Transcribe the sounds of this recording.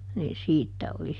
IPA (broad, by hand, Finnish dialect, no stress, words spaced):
niːn siːtːæ oli